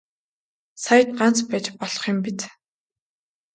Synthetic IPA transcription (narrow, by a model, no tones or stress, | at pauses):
sajə̆t̪̚ɢan̥t͡spæːt͡ɕpɔɮɞ̆χɪ̆mpit̪